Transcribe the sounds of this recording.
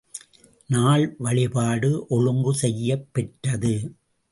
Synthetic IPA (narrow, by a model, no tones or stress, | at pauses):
naːɭʋɐɭɪpaːɽɯʔɔɻɯŋɡɯsɛjːɐpːɛʈːɐðɯ